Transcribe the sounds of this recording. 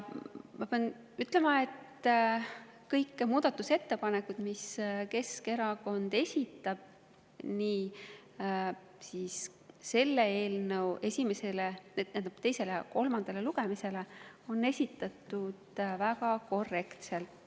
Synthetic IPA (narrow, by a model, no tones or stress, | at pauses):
mɑpeɑn | yt̪ːˑle̞mɑe̞t̪ | kɤjkːmuːd̪̥ɑt̪ːuse̞t̪ːe̞pɑnekːud̪̥miske̞ske̞ɾɑko̞nd̪̥e̞sʲit̪ːˑɑb̥̚ | niː | siːsː | e̞lːee̞ːlnəwe̞sʲimese̞lened̪nænɑb̥t̪e̞jse̞lejɑko̞lmɑnd̪ɑle̞luɡ̥e̞mise̞le̞ | o̞nːe̞sʲit̪ˑːɑt̪ːˑud̪̥vækɑko̞re̞kt̪se̞lt̪ˑ